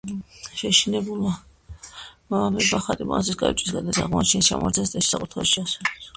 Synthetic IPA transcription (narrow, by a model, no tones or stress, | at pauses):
ʃɛʃinɛbula | mamɛbaχaɾʼima̰sisɡʼa̰it͡ʃʼwisɡad̪ɛsa̰ʁmɔt͡ʃʰɛnist͡ʃʰa̰ma̰ɾt̪zɛnst̪ʼɛʃi̥sakʼut̪ʰaʃiasɛdɛs